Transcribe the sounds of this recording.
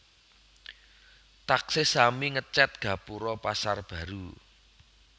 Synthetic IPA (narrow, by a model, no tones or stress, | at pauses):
t̪aksesamiŋət͡ʃɛt̪̚ɡ̥ä̤puɾɔpasarb̥ä̤ɾu